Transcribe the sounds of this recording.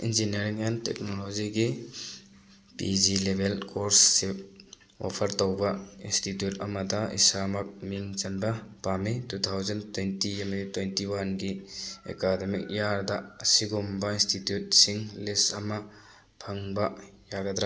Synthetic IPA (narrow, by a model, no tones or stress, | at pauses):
ḭnzinɐɾiŋentek̚nolod͡ʒiɡi | pḭd͡ʒilebʱelkoɾsːi | wa̰pʰɐɾtowbɐinstitjutɐmɐdɐḭsamɐk̚miŋt͡ʃɐnbɐpamitut̪ʰawzɐntwentimɐditwentiwanɡiḛkademik̚jaɾdɐɐsiɡumbɐinstitjut̚siŋlisɐmɐ | pʰɐŋbɐjaɡɐd̪ɾa